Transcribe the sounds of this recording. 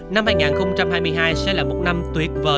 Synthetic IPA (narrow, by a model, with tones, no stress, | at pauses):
na˧mhaː˧jŋaː˨˩nxə˧wŋ͡mt͡ɕa˧mɦaː˧jmɨ˧əjɦaː˧jsɛ̰˧˥laː˨˩mo˨˩t̚na˧mt̪wi˨˦ət̚vəː˨˩